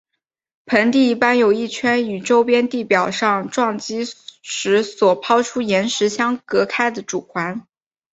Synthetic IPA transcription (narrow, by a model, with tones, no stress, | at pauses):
pʰə˧˥nt̪i˥˩i˥˩pa˥njo˨˩ʊi˥˩t͡ɕʰɥɛ˥ny˨˩ʈ͡ʂo˥ʊpjɛ˥nt̪i˥˩pjɑ˨˩ʊʂɑ˥˧ŋʈ͡ʂwɑ˥˩ŋt͡ɕi˥ʂɻ̩˧˥swɔ˨˩pʰɑ˥ʊʈ͡ʂʰu˥jɛ˧˥nʂɻ̩˧˥ɕjɑ˥ŋkɤ˧˥kʰa˥ɪd̪ə˨ʈ͡ʂu˨˩kʰwa˧˥n